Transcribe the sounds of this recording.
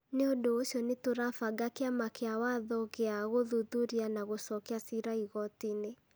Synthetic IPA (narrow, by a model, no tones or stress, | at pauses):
neodoːsjɔnetoɾafaɡakeamakeawaðɔɣeaɣoðuðuɾianaɣosɔkeasiɾaiɣɔtine